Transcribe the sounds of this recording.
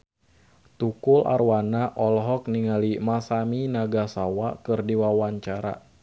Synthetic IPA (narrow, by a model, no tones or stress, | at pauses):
t̪ukulʔa̰ɾwanaʔɔlɦɔk̚niŋalimasaminaɡasawakɨrdiwawaɲt͡ʃaɾa̰